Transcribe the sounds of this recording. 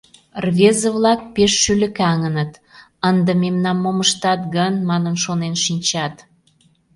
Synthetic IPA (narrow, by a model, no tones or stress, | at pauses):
rvʲezəβlɑk̚peʃːylə̆kɑŋənət̪ | ənd̪əmemnɑmːoməʃt̪ɑt̪̚ɡənmɑnənʃonenʃinʲt͡ɕɑt̪